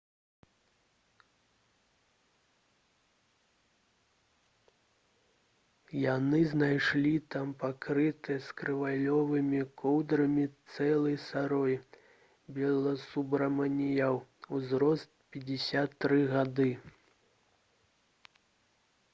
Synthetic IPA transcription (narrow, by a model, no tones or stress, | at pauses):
janɨznajʂlʲit̪ampakɾɨt̪ɨjɐskɾɨvalʲɔvɨmʲikʰɔwd̪ɾɐmʲit̪sɛlˠɐjsaɾɔj | bʲɛlˠɐsubɾɐmɐnʲijawuzɾɔst̪̚pʲɛd͡zʲɪsʲat̪ːɾɨɣad̪ɨ